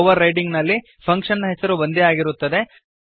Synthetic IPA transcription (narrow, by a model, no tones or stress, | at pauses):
ʋɐɾːɐjʈiŋɡnɐlːi | pʰɐŋkʂɐnːɐɦesɐɾubɐnd̪eaːɡiɾut̪ːɐd̪e̞